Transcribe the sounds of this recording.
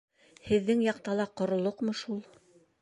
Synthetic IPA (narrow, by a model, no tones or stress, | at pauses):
hɘ̆ðːɘŋjɑqt̪ɑlˠɑqŏɾŏlˠoqmɤʃulˠ